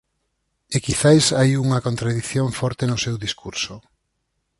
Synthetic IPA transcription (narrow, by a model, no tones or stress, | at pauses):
ekiθajsajuŋɐkont̪ɾaðiθjoɱfɔɾt̪enʊsewðiskuɾsʊ